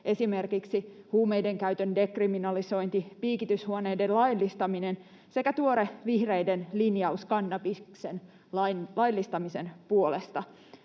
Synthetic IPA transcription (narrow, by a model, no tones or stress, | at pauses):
ʔe̞sime̞rkiksihuːmejde̞ŋkæyt̪ønde̞kriminɑliso̞jnt̪ipiːkit̪yshuonejdellɑjlːist̪ɑminen | sekæt̪uoɾeʋihrejdenlinjɑuskɑnːɑpiksen | lɑnlɑjlːist̪ɑmisenpuo̞lest̪ɑ